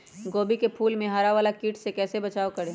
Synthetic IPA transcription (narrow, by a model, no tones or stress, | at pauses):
ɡoːbikepʰuːlmẽɦaːɾaʋaːlakiːʈsekɛːsebɐt͡ʃaːokɐɾẽː